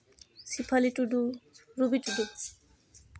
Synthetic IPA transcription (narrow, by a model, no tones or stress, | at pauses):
sipʰaliʈuɖuɾubiʈuɖu